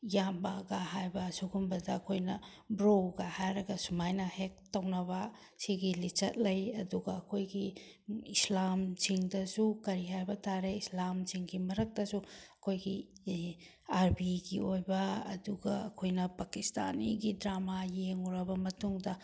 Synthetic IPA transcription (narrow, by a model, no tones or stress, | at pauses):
jambaɡaɦajbɐsuɡumbɐdɐːkʰojnɐ | bɾoɡɐhajɾɐɡɐsumajnɐhek̚tɐwnɐbɐ | siɡilit͡ʃɐt̚lɐjɐduɡɐːkʰojɡiislamt͡ʃiŋdɐsukɐɾiɦajbɐtʰaɾeislamt͡ʃiŋɡimɐɾɐk̚dɐsuɐkʰojɡi | aɾbiɡiojbɐɐ̰duɡɐɐkʰojnɐpɐkista̰niɡidɾamajeŋuɾɐbɐmɐtuŋdɐ